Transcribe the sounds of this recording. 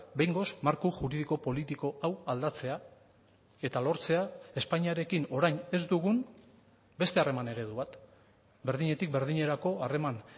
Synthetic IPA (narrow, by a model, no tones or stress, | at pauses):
be̞jŋɡo̞smaɾkuʝuɾiðiko̞po̞lit̪iko̞ʔawald̪at͡se̞a | e̞t̪alo̞ɾt͡se̞ae̞spaɲiaɾe̞kino̞ɾajɲe̞zd̪uɣ̞un | be̞st̪e̞are̞mane̞ɾe̞ðuβat̪ | be̞ɾðiɲe̞t̪ik̚be̞ɾðiɲe̞ɾako̞are̞man